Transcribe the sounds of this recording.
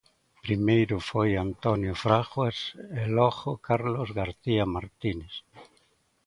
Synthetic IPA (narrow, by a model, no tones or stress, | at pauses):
pɾimejɾʊfojant̪onjofɾaxweseloɣokaɾlozɣaɾθiamaɾt̪ines